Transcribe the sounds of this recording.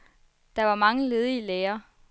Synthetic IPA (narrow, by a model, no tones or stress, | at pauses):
d̥ɑ̈ʋɑ̈mɑ̈ŋəle̝ð̞ˠiəleːɐ